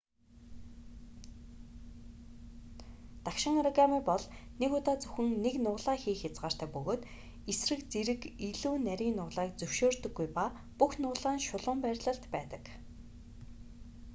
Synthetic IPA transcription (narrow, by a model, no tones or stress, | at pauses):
t̪akʃɪ̆ŋɾaɣamiːpɔɮnekʊt̪aːt͡sɵxɘ̆ŋneknʊːɮaːxiːxʲat͡sʁaːr̥t̪ʰæːpɵɣoːt̪ | esrɘ̆kt͡seɾɘ̆kiɮuːnæɾʲiːnʊːɮaːk̚t͡sɵwʃoːr̥t̪ɵ̆ɡːujpa | puxnʊːɮaːnʃʊɮʊːmpæːɾʲɮə̆ɬt̪pæːt̪ə̥̆k